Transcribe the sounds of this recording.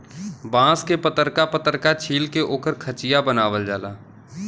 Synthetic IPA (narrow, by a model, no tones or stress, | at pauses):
bãːskepət̪əɾkapət̪əɾkat͡ʃʰiːlkeʔoːkəɾkʰət͡ʃɪjabənaːʋəld͡ʒaːla̰ː